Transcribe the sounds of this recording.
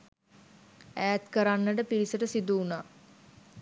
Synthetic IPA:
æːæt̪kəɾanːəʈəpiɾisəʈəsid̪uːnaː

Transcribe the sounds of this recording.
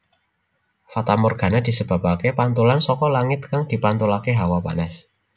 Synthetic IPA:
fat̪amɔrɡ̥a̤nad̪̥i̤səb̥a̤pakepant̪ulansɔkɔlaŋɪt̪̚kaŋd̪̥i̤pant̪ulakeɦawapa̰nas

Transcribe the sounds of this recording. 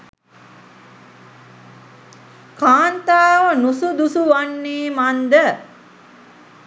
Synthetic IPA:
kaːnt̪aːʋənusud̪usuʋanːeːmand̪ə

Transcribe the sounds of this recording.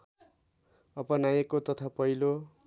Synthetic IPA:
ʌbʌnajekot̪ʌt̪ʰapʌilo

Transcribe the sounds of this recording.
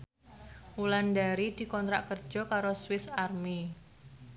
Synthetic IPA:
ulandaɾid̪̥i̤kɔnt̪ɾaʔkər̥d͡ʒ̥ɔ̤kaɾoswɪsarmi

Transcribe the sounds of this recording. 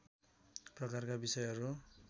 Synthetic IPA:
prʌkarkabisʌjɦʌɾu

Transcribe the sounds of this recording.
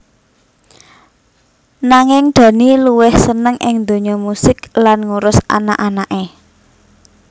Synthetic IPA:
naŋɪŋɖ̪̥ä̤niluwɪhsənəŋʔɪ̰ŋnd̪o̤ɲɔmusɪklanŋuɾʊsa̰na̰ʔanaʔe

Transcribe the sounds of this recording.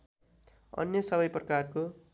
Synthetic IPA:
ʌ̰njʌsʌβʌjprʌkarko

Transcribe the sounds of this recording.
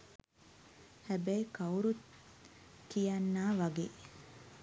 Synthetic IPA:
hæbæjekɐuɾut̪ | kijanːaːʋɐɡeː

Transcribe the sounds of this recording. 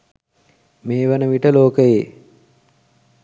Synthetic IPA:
meːʋənəʋiʈəloːkəjeː

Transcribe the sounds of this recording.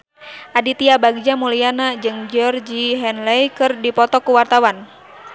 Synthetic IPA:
ʔadit̪iabaɡd͡ʒamulijanad͡ʒɨŋd͡ʒɔrd͡ʒiɦɛnlɛjkɨrdipɔt̪ɔkuwart̪awan

